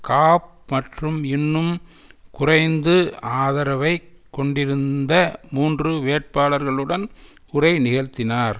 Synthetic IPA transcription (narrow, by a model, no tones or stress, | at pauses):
kaːp̚ | mɐʈrɯmɪnːɯm | kʊrɐɪnd̪ɯaːðɐɾɐʋɐɪkːɔɳɖɪɾɯnd̪ɐmuːndrɯʋeːʈ̚paːlɐɾɣɐɭɯɽɐn | ʊrɐɪnɪɣɐɻt̪ːɪnaːɾ